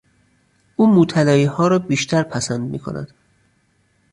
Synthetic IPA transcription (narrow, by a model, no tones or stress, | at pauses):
ʔuːmuːt̪ʰælɒːjiːhɒːɾɒːbiːʃt̪ʰæɾpʰæsænd̪mḭːkʰonæ̰d̪̥